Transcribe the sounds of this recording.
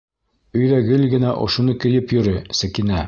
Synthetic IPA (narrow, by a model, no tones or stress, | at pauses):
ɵ̆jðæɡɘlɡɘ̆næʔŏ̰ʃŭnɤkɘ̆jɘpjɵ̆ɾɘsɘ̆kinæ